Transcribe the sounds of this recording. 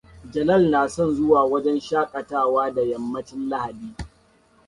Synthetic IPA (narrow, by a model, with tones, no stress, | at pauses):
d͡ʒɐ˨nɐ˦˨lnaː˨sɔ˦˨nzʊ˦waː˨wɐ˦d͡ʒɛ˦nʃaː˦kʼɐ˨taː˦˨waː˦da˨jɐ˨mːɐ˦t͡ʃɪ˦nla˦ha˨diː˦